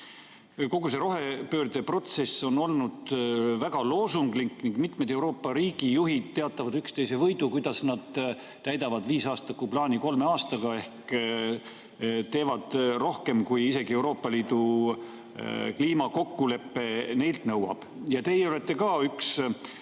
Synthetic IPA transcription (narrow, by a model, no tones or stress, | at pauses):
ko̞ɡuse̞ɾo̞ɦe̞pø̞ːrd̪e̞pro̞t̪se̞sːo̞no̞lnud̪̥væɡ̥ɑlo̞ːsuŋɡlikːniŋɡ̥mit̪med̪e̞wɾo̞ːpːˑɑɾiːɡ̥ijuɦid̪̥̚t̪ːe̞ɑt̪ːˑɑvɑd̪ykst̪e̞jse̞vɤjd̪ukujd̪̥ɑsnɑd̪̥ | t̪æjd̪ɑvɑd̪viːsɑːst̪ɑkuplɑːnʲiko̞lme̞ɑːst̪ɑɡ̥ɑe̞hk | t̪e̞ːvɑd̪̥ro̞hke̞mkujise̞ɡie̞wɾo̞ːpːˑɑliːd̪̥u | kliːmɑko̞kːule̞pːe̞ne̞jlt̪nɤwɑ̰b̥jɑt̪e̞jeole̞t̪ːe̞kɑːyks